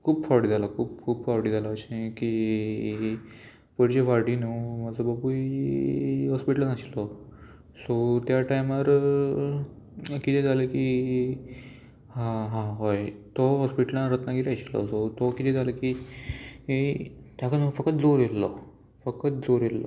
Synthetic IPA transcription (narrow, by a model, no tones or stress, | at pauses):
kʰuːbfawɽid͡zʱalakʰuːp̚kʰuːbfawɽid͡zʱalaəɕẽkiː | pəɽd͡ʑefaɾɽinoməd͡zɔbəbui | ɦɔspiʈlənaɕilɔ | sɔt̪jaʈajiməɾ | kit̪ed͡zʱaləki | ɦãɦãɦojt̪ɔɦɔspiʈlãnɾət̪nakieaɕilɔ̰sot̪okit̪ʰed͡zʱaləkiː | it̪jakanofəkət̪̚d͡zoɾjelːɔ | fəkət̪̚d͡zoɾelːɔ̰